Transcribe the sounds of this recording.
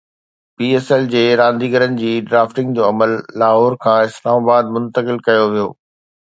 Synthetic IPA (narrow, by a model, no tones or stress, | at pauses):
piːɛːsɛld͡ʑeːɾãːnd̪iːɡəɾənɪ̆d͡ʑiːɖɾaːfʈɪ̃ŋɡd͡ʑoːɐməlːaːɦɔːɾkʰãːɪslaːmaːbaːd̪̚mʊ̃nt̪əkɪlkɐjoʋijo̰ː